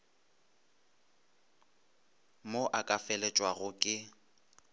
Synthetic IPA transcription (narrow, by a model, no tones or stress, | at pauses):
moʔakʼafɛlɛt͡ʃʼwaɣʊkʼɪ